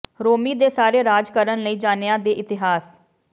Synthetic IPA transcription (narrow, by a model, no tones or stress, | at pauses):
ɾoːmiːd̪eːsaːɾeːɾaːd͡ʒkəɾənləiːd͡ʒaːneãːd̪eːʔɪt̪ɪɦaːs